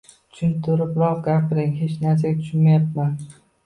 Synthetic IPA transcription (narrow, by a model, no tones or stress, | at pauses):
t̪ʰʊ̥ʃʊnt̪ʰʊɾɪpɾɒqɡʲapɾɪŋɦet͡ʃnaɾs̬aɡʲat̪ʰʊ̥ʃʊnmajap̚man